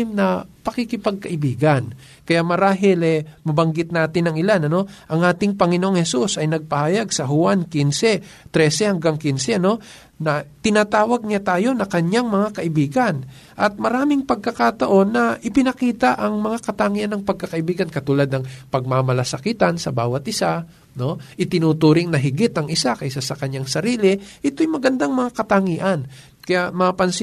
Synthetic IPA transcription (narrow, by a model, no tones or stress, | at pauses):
mnɐpɐkikɪpɐɡ̚kɐʔɪbiːɡɐn | kɐjaʔmɐɾaːɦɪlɛmɐbɐŋɡɪt̪̚naːt̪ɪnɐŋɪlanɐno̞ʔɐŋʔaːt̪ɪŋpɐŋɪnoʔoŋhɛsusʔɐjnɐɡ̚pɐhaːjɐɡsɐɦʊankinsɛt̪ɾɛsɛhɐŋɡaŋkinsɛno̞ | nɐt̪ɪnaːt̪aːwɐɡ̚ɲat̪aːjo̞nɐkɐɲaŋmɐŋakɐʔɪbiːɡɐn | ʔɐt̪̚mɐɾaːmɪŋpɐɡ̚kɐkat̪ɐʔo̞nːɐʔɪpɪnɐkiːt̪aʔɐŋmɐŋakɐt̪aŋiːʔanːɐŋpɐɡ̚kɐkɐʔɪbiːɡɐnkɐt̪uːlad̪nɐŋpɐɡ̚mamɐlɐsɐkiːt̪ɐnsɐbaːwɐt̪̚ʔɪsa | no̞ʔɪt̪ɪnuːt̪uːɾɪŋnɐɦɪɡɪt̪ɐŋɪsakɐjsasɐkɐɲaŋsɐɾiːlɪʔɪt̪oʔjmɐɡɐnd̪aŋmɐŋakɐt̪aŋiːʔɐn | kɐjaʔmɐapɐns